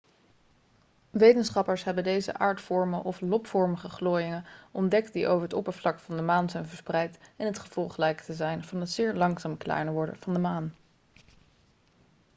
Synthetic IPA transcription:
ʋejtənsχɑpəɹsɦɛbədejzə̰ʔaːɹtfɔɹməʔɔflɔpfɔɹməχəχloːjɪŋəʔɔndɛkt̚diʔo̰wvəɹətɔ̰pəɹvlɑkfɑndəmaːnzɛjnvəɹsprɛjtɪnɦətχəv̥ɔlˠχlɛjktəzɛjnv̥ɑnɦətsɪːɹlɑŋsaːmklɛ̰ːnəʋɔɹdə̰v̥ɑndəmaːn

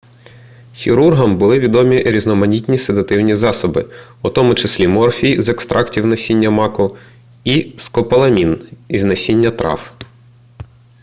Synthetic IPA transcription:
xʲiɾurɦɐmbʊlˠɪʋʲid̪ɔmʲiɾʲiznɔmɐnʲitʲnʲised̪ɐt̪ɪwnʲizɑsɔbɪut̪ɔmʊt͡ʃɐsʲlʲimɔrfʲizekst̪ɾʔɑktʲiwnɐsʲinʲːɐmɑkʊ | iskɔpɐlˠɐmʲiniznɐsʲinʲːɐt̪ɾɑ̰f

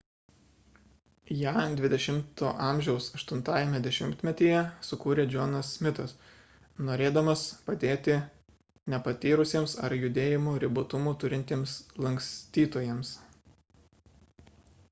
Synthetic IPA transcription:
jæːd̪ʲʋʲɪd̪ʲɛʃʲɪmt̪o̰ːʔɑˑmʲʒʲɛʊsɐʃt̪ʊnt̪ɑːjɛmʲɛd̪ʲɛʃʲɪmʲt̪ʲmʲɛt̪ʲiːjɛsʊkuːɾʲeːd͡ʒʲoːnɐsmʲɪt̪ɐs | noːɾʲeːd̪ɐmɐspɐd̪ʲeːt̪ʲɪ | nʲɛpɐt̪ʲiːɾʊsʲiːmsɐ̰ɾjʊd̪ʲeːjɪmuːɾʲɪbʊt̪ʊmuːt̪ʊɾʲɪnʲt̪ʲeːmslˠɐŋʲksʲt̪ʲiːt̪oːjeːms

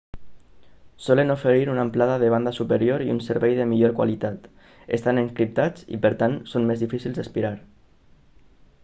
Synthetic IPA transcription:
sɔlənofeɾiɾunamplaðaðəβand̪asupəɾjoɾiṵnsəɾβɛjðəmiʎoɾkwa̰lit̪at̪ | ḛst̪aneŋkɾip̚t̪at͡sḭpəɾt̪ansonmezðifisilˠzd̪əspiɾaɾ

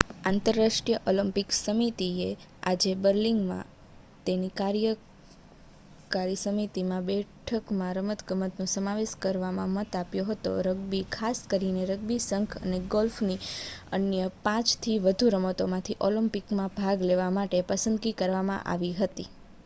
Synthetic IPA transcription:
ãnt̪əɾːaʂʈijəʔoləmpiksəmit̪ie | a̰d͡ʒebəɾliŋɡmã̰ | t̪enikaɾjə | kaɾisəmit̪imãbɛʈʰəkmãɾəmət̪ɡəmət̪nũsəmaʋeʃkəɾʋamã̰mət̪apjoɦət̪o̰ɾəɡbikʰaskəɾineɾəɡ̚bisəŋkʰə̰neɡɔlfniənjəpãt͡ʃt̪ʰiʋəd̪ʱuɾəmət̪omãt̪ʰiʔoləmpikmãbʱaɡleʋamaʈepəsə̃nd̪ɡikəɾʋamã̰ʔa̰ʋiɦət̪i

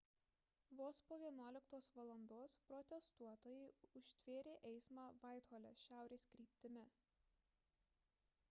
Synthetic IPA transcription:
ʋoːspoːʋʲiɛnuɔlʲɪkt̪oːsʋɐlˠɐnd̪oːspɾɔt̪ʲɛst̪uɔt̪oːjɛɪʊʃʲt̪ʲʋʲeːɾʲeːʔɛɪsmɑːʋɑˑɪt̪hoːlʲɛ̰ʃʲæˑʊɾʲeːsʲkɾʲiːpʲt̪ʲɪmʲɪ

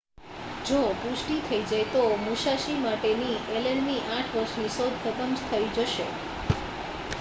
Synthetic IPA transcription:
d͡ʒopuʃʈit̪ʰəid͡ʒajt̪omuʃaʃimaʈeniʔelenniʔãʈʰʋəɾʃnisod̪ʱt̪əp̪əmd͡ʒt̪ʰəid͡ʒəʃe

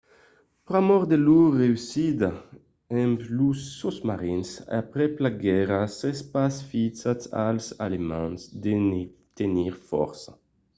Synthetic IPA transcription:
pɾamɔʁd̪elureysid̪a | emplusosmaɾinsa̰pɾeplaɡɛɾasespasfit͡sat̪alsa̰lemãnsd̪enet̪eniʁfɔ̰ɾsa

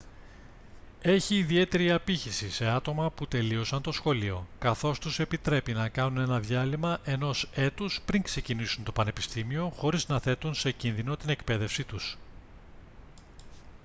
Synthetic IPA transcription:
e̞çiːðie̞t̪e̞ɾiɐpiçisise̞ɐt̪o̞mɐput̪e̞lio̞sɐnt̪o̞sxo̞lio̞kɐθo̞st̪use̞pit̪ɾe̞pinɐkɐnune̞nɐðʝɐlimɐʔe̞no̞se̞t̪uspɾiŋkse̞cinisunt̪o̞pɐne̞pist̪imio̞xo̞ɾiznɐθe̞t̪unse̞cinðino̞t̪ine̞kpe̞ðe̞fsit̪us

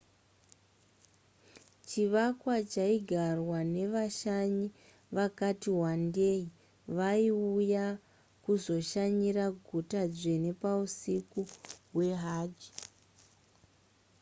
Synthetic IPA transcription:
t͡ʃiʋakwat͡ʃaiɡʱarwane̞ʋaʃaɲi | ʋakatiɦwandei | ʋaiuja | kuzo̞ʃaɲiɾaɡʱutad͡zene̞pausikuɦwe̞ɦaːd͡ʒi̥

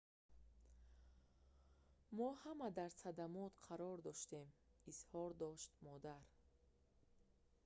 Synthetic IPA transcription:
mɔhamad̪aɾsad̪amɔt̪qʰaɾɔɾd̪ɔʃt̪e̞mizhɔɾd̪ɔʃt̪mɔd̪aɾ

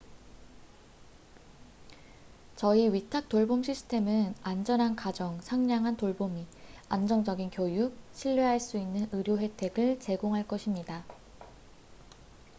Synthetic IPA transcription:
t͡ɕʌiɥitʰak̚t͈oɭbomɕʰisʰɯ̥tʰe̞mɯnand͡ʑʌnɦankad͡ʑʌŋsʰaŋɲaŋɦantoɭbomiand͡ʑʌŋd͡ʑʌɡinkjojuk̚ɕʰiʎːeɦaɭs͈uinːɯnɯɾjoɸe̞tʰe̞ɡɯɭt͡ɕe̞ɡoŋɦaɭk͈ʌɕʰimɲida

